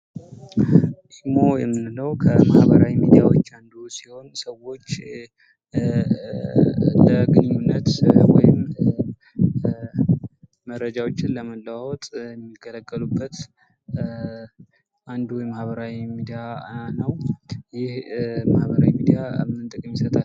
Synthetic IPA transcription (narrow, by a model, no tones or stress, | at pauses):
ʔ̪iɡmo̞jɛmːɨnləwkʰəma̰hbəɾa̰wimid̪ijawot͡ʃːand̪usiho̞nsəwo̞t͡ʃː | ləɡɨnɲunːət̪wɔ̰jɪm | əɾːəd͡ʒawo̞t͡ʃːɪnləməlːəwwɔt̪ʼjɛmːikːələkʼːəlubːət̪ | ʔand̪uwjɛmahβəɾawimid̪ijanəwjɪhmahβəɾawimid̪ijaɨnt̪ʼɨkʼɨmjisət̪ʼa